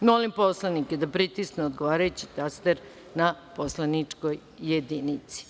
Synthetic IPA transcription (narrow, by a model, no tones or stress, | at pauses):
molimpo̞slˠaniked̪apɾit̪iskneod̪ɡo̞ʋaːɾajut͡ɕi̥t̪ast̪eɾ | naposlˠanit͡ʂkojː | ed̪init̪si̥